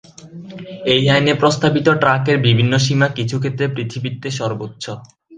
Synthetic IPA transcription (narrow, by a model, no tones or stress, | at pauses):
ejajnepɾost̪abit̪oʈɾakeɾbibʱinːoʃ̬imakit͡ɕʰukʰet̪ːɾepɾit̪ʰibit̪ːeʃɔɾbotːɕʰo